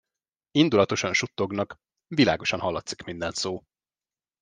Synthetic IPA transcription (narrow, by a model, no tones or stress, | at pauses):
ind̪ulɒt̪o̞ʃɒnʃut̪ːo̞ɡnɒk | vila̰ːɡo̞ʃɒnɦɒlːɒt̪si̥kmind̪ɛnt̪soː